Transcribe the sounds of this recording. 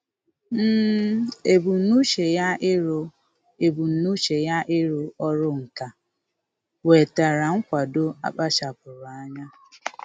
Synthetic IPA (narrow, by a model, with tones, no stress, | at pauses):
m̩ː˦e˨bu˨nu˦ʃe˨ja˦ɪ˦ɾo˦ | e˨bu˨n̩˨nu˦ʃe˨ja˦ʔɪ˦ɾo˨ɔ˦ɾʊ˦ŋ̩˨ka˨ | we˨ta˨ɾa˨ŋ̩˦kʷa˨do˦a̰˦ɓa˦ʃa˨k̚ʊ˨ɾʊ˨a˦ɲa˦